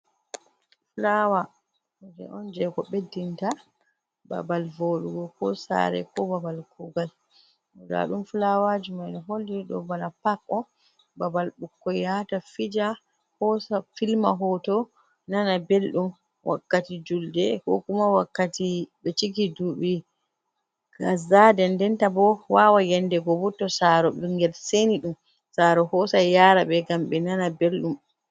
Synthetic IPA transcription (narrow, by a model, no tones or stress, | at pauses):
flawa | d͡ʒɛ̰ʔɔnd͡ʒɛkɔɓedinta | ba̰balvoɗuɡɔkɔsa̰ɾɛ̰kɔbabalkuɡal | mɔda̰ɗumflawad͡ʒumajnɔɦolːiɗɔ̰banapakːɔ | babalɓukːɔjatafid͡ʒa | hɔsafilma̰ɦɔtɔ | nanabelɗum | wʔa̰kːatid͡ʒuldɛhɔ̰kumawakːatiɓɛt͡ʃikiduɓi | ɡazadɛndɛntabɔwawajɛndɛɡɔbutːɔsaɾɔɓɛŋɡɛlseniɗum | saɾɔhɔsajaɾaɓɛɡamɓɛnanabelɗum